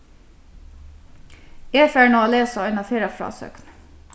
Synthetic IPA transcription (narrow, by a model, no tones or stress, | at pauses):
eːfæːɳoːɑːleːsɔenɑːfeːɾɑfɾɑ̰ːsœ̰kn